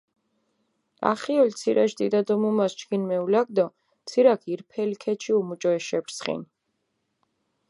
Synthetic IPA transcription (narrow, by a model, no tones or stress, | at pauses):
a̰χiɔlt̪sʰiɾʔaʃd̪id̪ad̪ɔmumast͡ʃɡinmɛulaɡ̚d̪ɔ | t̪sʰiɾakʰiɾpʰɛlkʰɛt͡ʃʰiumut͡ʃʼɔɛʃɛbɾsχḭn